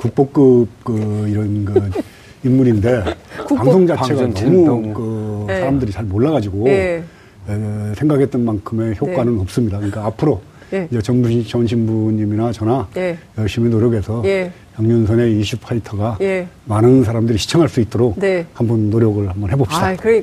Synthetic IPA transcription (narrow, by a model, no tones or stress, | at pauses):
kuk̚p͈ok͈ɯb̚kɯiɾʌnɡɯ | imːuɾinde̞paŋsʰoŋd͡ʑat͡ɕaeɡanmukɯsʰaɾamdɯɾit͡ɕaɭmoɭːaɡad͡ʑiɡo | esʰe̞ŋɡakʰe̞t͈̚ʌnmankʰɯme̞çjokkkwanɯnʌp̚s͈ɯmɲidakɯɲik͈aːpʰɯɾo | id͡ʑet͡ɕʌnbut͡ɕʌnɕʰimbuɲiminat͡ɕʌnajʌɭɕiminoɾjʌɡe̞sʰʌ | jʌŋɲunsʰʌne̞iɕʰip̚pʰaitʰʌɡamanɯnsʰaɾamdɯɾiɕʰi̥t͡ɕʰʌŋɦaɭs͈uit͈oɾok̚hambunːoɾjʌɡɯɭhambʌnɦe̞bopɕɕid̥a